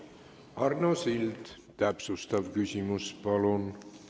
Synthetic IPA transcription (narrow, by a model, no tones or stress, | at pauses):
ɑrnosild̪̥ | t̪æpsust̪ɑvkysʲimuspɑlon